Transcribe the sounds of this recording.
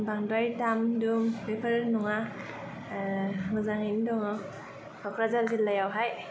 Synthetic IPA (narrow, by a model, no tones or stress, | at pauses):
baŋdajtamdumbepʰəɾnɔŋa | ŋɯzaŋindɔŋɔ | kʰakʰɾazalɡilːajawɦaj